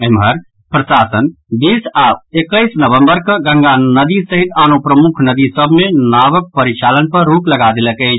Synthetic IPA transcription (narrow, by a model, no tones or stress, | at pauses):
əɦmɦəɾ | pɾəsasən | bisaekəjsnəβə̃mbəɾkəɡə̃ŋɡanəd̪isəɦit̪anopɾəmukʰnəd̪isəbʱmenaβək̚pəɾit͡ʃalənpəɾːukləɡad̪eləkəjt͡ʃʰ